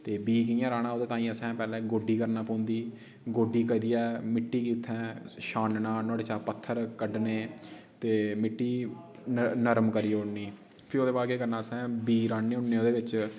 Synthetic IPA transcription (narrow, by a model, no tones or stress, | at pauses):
t̪eːbiːkəjãːɾaːɽ̃ãːoːd̪eːt̪aːĩːãːsɛ̃ːpɛːlɛ̃ːɡoːɖiːkəɾnaːpõːnd̪iː | ɡoːɖiːkəd̪iːɛːmɪʈːiːkiːt̪ʰːɛ̃ːʃaːnnãːnɔ̃ːɽeːt͡ʃaːpət̪ʰːəɾkəɖneːt̪eːmɪʈːiː | nəɾmkəɾiːʊnːiː | pʰɪɾoːd̪eːbaːkeːkəɾnaːsɛ̃ːbiːɾaːnːeːʊnːẽːoːd̪eːʋɪt͡ʃ